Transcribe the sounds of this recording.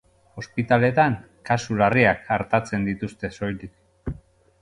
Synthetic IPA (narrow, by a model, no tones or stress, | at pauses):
o̞spit̪ale̞t̪aŋ | kasulariakaɾt̪at͡se̞nd̪it̪ust̪e̞so̞jlik